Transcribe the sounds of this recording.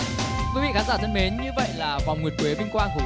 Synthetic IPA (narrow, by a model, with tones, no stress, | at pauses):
kwi˨˦vḭ˧˨xaː˨˦nzaː˧˩t̪ə˧nme˨˦nɲɨ˧və̰˧˨jlaː˨˩va˨˩wŋ͡mŋwət̚kwe˨˦ɓï˧ŋ̟kwaː˧nɦɨ˨˦